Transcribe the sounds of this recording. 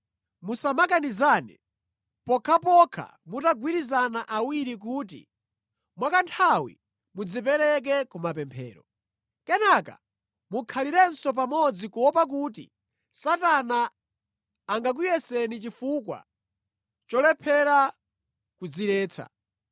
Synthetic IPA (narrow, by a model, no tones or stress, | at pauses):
musamakanizanɛ̰ | pɔkʰapɔkʰa̰ | mutaɡwiɾizanaʔawiɾik̬uːt̬ḭ | mwakantʰawḭ | mud͡zip̬ɛɾɛk̬ɛkumapɛmpʰɛ̰ːɾɔ̰ | kɛnaka̰ | mukʰaliɾɛnsɔp̬amɔd͡zikuɔpak̬uːt̬ḭ | satanaː | ŋɡak̬ujɛsɛnit͡ʃifukwa̰ | t͡ʃɔlɛpʰɛɾa | kud͡ziɾɛːt͡sʰa̰